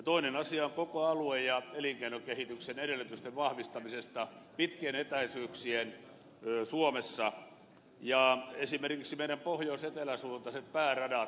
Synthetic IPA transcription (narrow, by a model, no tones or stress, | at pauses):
t̪oinenɑsiɑoŋkokoɑluejjɑeliŋkeinokehit̪yksenedelːyt̪yst̪eʋʋɑhʋist̪ɑmisest̪ɑpit̪kienet̪æisyːksien | suomesːɑ | jɑesimerkiksimeiɾæmpohjoiset̪elæsuːnt̪ɑset̪pæːrɑdɑ